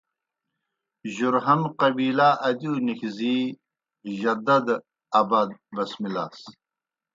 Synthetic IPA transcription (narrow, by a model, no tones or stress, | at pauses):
ʑuɾɦɐnqɐbiːlaːʔɐd̪uːnixziː | ʑɐd̪ɐd̪ | ɐbad̪̚bɐsmilaːs